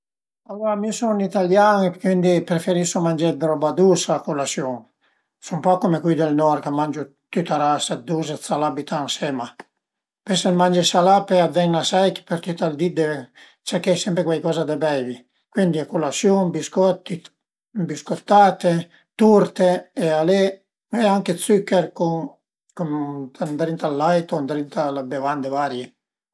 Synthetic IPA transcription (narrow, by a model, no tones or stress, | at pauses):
alːoːɾamisonit̪aljaːŋkwind̪ipɾefeɾisomand͡ʒed̪ɾɔbad̪uːsakolasjuŋ | sumpɔkomekwid̪elnɔɾkamːand͡ʒo | t̪yt̪aɾasad̪us̬esalabit̪ʰaŋsɛma | pesenmand͡ʒisalapeavːɛɲnasajki̥peɾt̪yt̪ːald̪id̪e | t͡ʃakɛsɛmpɾekwajkɔːzad̪ebɛjvi | kwind̪iakulasjumbiskɔt̪ːi | biskot̪ːaːt̪e | t̪uɾt̪eːale | ɛaŋket̪sykːɛɾku | kunand̪ɾint̪alːajt̪ond̪ɾint̪alabevand̪evaːɾje